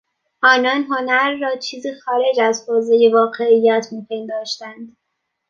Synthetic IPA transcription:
ʔɒːnɒːnɦonæɾːɒːt͡ʃʰiːziːxɒːɾe̞d͡ʒæzhoːzejevɒːɢe̞ijːæt̪ʰmiːpʰend̪ɒːʃt̪ænd̪̥

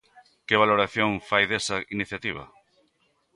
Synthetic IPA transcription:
keβ̞aloɾaθjoŋfajðesɐiniθjat̪iβ̞ɐ̰

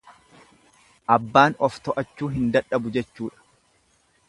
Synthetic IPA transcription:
ʔɐbːaːnɔft̪ɔʔɐt͡ʃːuːɦɪnd̪ɐᶑɐbʊd͡ʒɛt͡ʃːuːᶑɐ̥

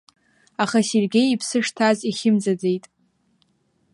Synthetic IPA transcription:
aχaserɡʲe̞jipʰsɨʂtʰaziχʲɪmd͡zad͡ze̞jtʼ

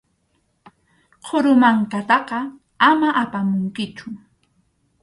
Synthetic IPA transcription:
qʰʊɾʊmaŋkat̪ɑqɑ | amaʔapamʊŋkɪt͡ʃʊ

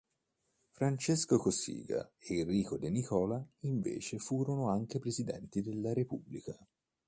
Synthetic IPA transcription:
fɾant͡ʃeskokosḭːɡa̰eirːiːkod̪enikɔːlaiɱvḛːt͡ʃefuːɾonoaŋk̟epɾezid̪ɛ̰nt̪id̪elːaɾepubːlika

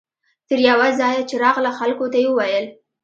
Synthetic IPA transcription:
t̪əɾjawazɑjɑt͡ʃeɾɑɣlaxalkot̪ajewəwajəl

